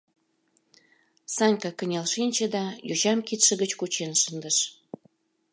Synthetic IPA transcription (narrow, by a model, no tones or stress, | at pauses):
sɑnʲkɑkə̆nʲɑlʃinʲt͡ɕə̆d̪ɑjut͡ɕɑmkit̪ʃə̆ɣət͡ɕkut͡ɕenʃənd̪əʃ